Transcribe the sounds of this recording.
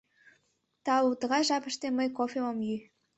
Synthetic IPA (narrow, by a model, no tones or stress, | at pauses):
t̪ɑut̪ə̆ʁɑjʒɑpə̆ʃt̪eməjkofʲemomjy